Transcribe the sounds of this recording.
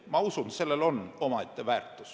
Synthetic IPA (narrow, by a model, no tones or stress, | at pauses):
mɑusunse̞lːelo̞nːo̞mɑet̪ːevæːrt̪ːˑu̥s